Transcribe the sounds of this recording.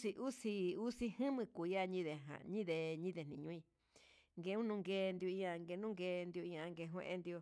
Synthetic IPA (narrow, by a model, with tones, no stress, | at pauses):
si˧ʔu˦si˧u˦si˧hɨ̃˦mɨ̃˧ku˨˧ja˦˧ɲĩ˦ðe˨ɦã̰˨ɲĩ˦ðe˨ɲĩ˦ðe˨nĩ˧ɲũ˧˦ĩ˧ | ŋɡe˧˦ũ˦nũ˧ŋɡeː˧nd̪i˧o˧ĩ˧ã˧ŋɡe˧nũ˦ŋɡe˧nd̪i˧o˧ĩ˧ã˧ŋɡe˧ɦw̃ḛ̃˧ʔḛ˧nd̪i˧o˧